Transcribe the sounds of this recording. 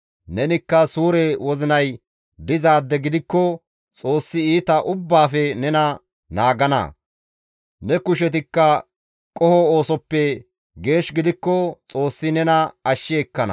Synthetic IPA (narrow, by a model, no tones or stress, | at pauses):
nɛnɪkːɐsuːɾɛwɔzɪnɐj | d̪ɪzaːd̪ːɛɡɪd̪ɪkːɔ | t͡sʼo̞ːsːɪiːt̪ɐʔʊbːaːfɛnɛnɐ | naːɡɐnɐ̰ | nɛkʊʃɛt̪ɪkːɐ | kʼɔhɔoːsɔpːɛ | ɡe̞ːʃɡɪd̪ɪkːɔt͡sʼoːsːɪnɛnɐɐʃːɪɛkːɐnɐ̰